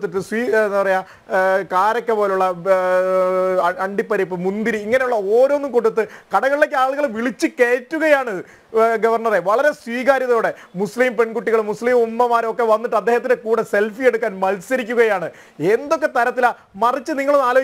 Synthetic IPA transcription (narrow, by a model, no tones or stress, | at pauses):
t̪ːiʈːɨswiːnːpɐrɐjaː | kaːɾɐkːepo̞ːlejuɭːɐ | ɐɐɳɖipːɐɾip̬ːɨmund̪iɾɨiŋːɐne̞juɭːɐoːɾo̞ːnːumkoʈːɖut̪ːɨkɐɽɐɣɐɭile̞kːɨaːɭuɣɐɭʋiɭit͡ɕːɨkeːtːuɣɐjaːɳɨ | ɡɐʋɐrɳɐreʋɐɭɐɾe̞swiːɣaːɾjɐðɐoːɽe̞musliːmpe̞ɳɡuʈːiɣɐɭmusliːmumːɐmaːɾokːe̞ʋɐnːiʈːɨɐd̪ːeːhɐt̪ːindekuːɽese̞lfieɽukːaːnmɐlsɐɾik̬ʲːuɣɐjaːɳɨ | e̞nd̪o̞kːe̞t̪ɐɾɐt̪ːila | mɐrit͡ɕːɨniŋːɐɭnaːloː